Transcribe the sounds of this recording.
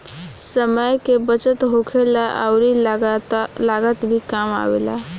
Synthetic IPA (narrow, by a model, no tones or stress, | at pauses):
səməjkebət͡ʃət̪ɦokʰelaʔə̰ʊɾi | laɡət̪bʱikama̰wḛla̰